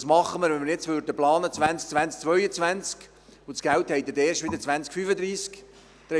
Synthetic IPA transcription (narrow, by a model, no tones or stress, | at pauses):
smɑχːəməɾʋɛnməɾjɛt͡sʋøːɾdəplɑːnət͡sʋænt͡sk̚t͡svʋænt͡sk̚t͡sʋœʏət͡svænt͡sk | ʊsɡ̥ælt̪hɛɪt̪ːəd̪eːʃtʋɪd̪ət͡sʋænt͡skfyfəd̪ɾiːsk | d̪̥ɾɛ